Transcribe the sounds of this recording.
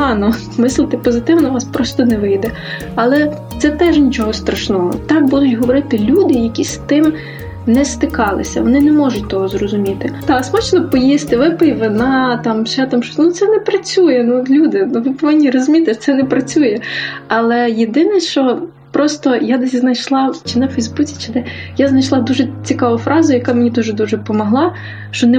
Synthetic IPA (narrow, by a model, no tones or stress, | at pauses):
ɦɑnɔ | mɪslˠɪt̪ɪpɔzɪt̪ɪwnɐʋɑspɾɔst̪ɔnɛʋɪjd̪ɛ | ɐlˠɛ | t̪sɛt̪ɛʒnʲit͡ʃɔɦɔst̪ɾɐʃnɔɦɔ̰t̪ɑk̚bud̪ʊtʲɦɔʋɔɾɪt̪ɪlʲud̪ɪjɐkʲist̪ɪm | nɛst̪ɪkɑlˠɪ̰sʲɐ̰ʋɔnɪnɛmɔʒʊtʲt̪ɔɦɔzrɔzʊmʲit̪ɪt̪ɑksmɔt͡ʃnɔpɔjist̪ɪʋɪpɪjʋɪnɑt̪ɑmʃɛt̪ɐmʃɔnut̪sɛnɛpɾɐt͡sʲujɛnuɔt̪lʲud̪ɪnuʋɪpɔʋɪnʲːirɔzʊmʲit̪ɪt̪sɛnɛpɾɐt͡sʲujɛɐlˠɛjed̪ɪnɛʃt͡ʃɔ | pɾɔst̪ɔjad̪ɛsʲznɐjʃlˠɑt͡ʃɪnɛfɛjzbut͡sʲi̥t͡ʃɪd̪ɛjaznɐjʃlˠɑd̪uʒɛt͡sʲikɑʋʊfɾɑzʊjɐkɑmenʲid̪uʒɛd̪uʒɛpɔmɔɦlˠɑ | ʃt͡ʃɔnɛ